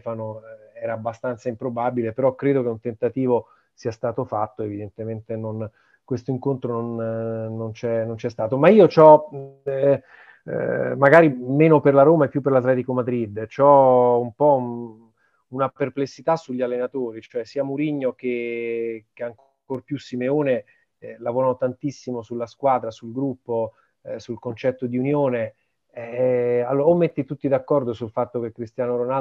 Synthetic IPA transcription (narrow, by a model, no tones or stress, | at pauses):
fanoɛːɾaːbːast̪ant̪saimpɾobabilepeɾɔkɾeːd̪okeunt̪ent̪at̪iːvo | siːast̪aːt̪ofat̪ːoevid̪ent̪ement̪enon | kwest̪oiŋkont̪ɾononː | ont͡ʃɛnont͡ʃɛst̪aːt̪omaiːot͡ʃɔ | maɡaːɾimeːnoperlaɾoːmaepːjupːerlat̪lɛːt̪ikomad̪ɾid̪t͡ʃɔumpɔ | unaperplesːit̪asːuʎːialːenat̪oːɾit͡ʃoɛsiːamuɾiɲːok̟e | keaŋk | orpjusːimeoːne | lavoːɾanot̪ant̪isːimosulːaskwaːd̪ɾasulɡɾupːo | sulkont͡ʃɛt̪ːod̪iunjoːne | ɛalːoomːet̪ːit̪ut̪ːid̪akːɔrd̪osulfat̪ːok̟ekːɾist̪jaːnoɾona